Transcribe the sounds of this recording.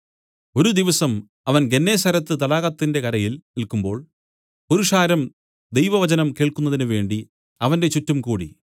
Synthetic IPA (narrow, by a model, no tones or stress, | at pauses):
o̞ɾud̪iʋɐsɐm | ɐʋɐnɡe̞nːe̞ːsɐɾɐt̪ːɨt̪̬ɐlaːɣɐt̪ːinde̞kɐɾɐjilnilkumbo̞ːɭ | puɾuʂaːɾɐm | d̪ejʋɐʋɐt͡ɕɐnɐmke̞ːɭkunːɐðinuʋe̞ːɳɖi | ɐʋɐnde̞t͡ɕutːɐmkuːɽḭ